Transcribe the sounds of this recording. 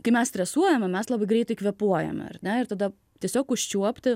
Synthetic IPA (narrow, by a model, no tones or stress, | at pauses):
kɐɪmʲɛst̪ʲɾʲɛsuɔjɛmʲɛmʲɛslˠɑːbɐɪɡɾʲɛɪt̪ɐɪkʋʲɛpuɔjɛ̰m̰ʲɐ̰rnʲɛɪɾt̪ɐd̪ɐ | tʲiɛsʲoːkʊʃʲt͡ʃʲuɔpʲt̪ʲɪ